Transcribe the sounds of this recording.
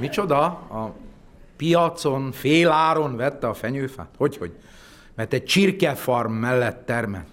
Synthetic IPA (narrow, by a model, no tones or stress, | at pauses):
mit͡ʃo̞d̪ɒɒ | pijɒt̪sonfeːlaːɾonvɛt̪ːɛɒfɛɲøːfa̰ːt̪ho̞cho̞̰ɟ | mɛrt̪ɛɟ̚t͡ʃirkɛfɒrmːɛlːɛt̪ːɛrmɛ̰l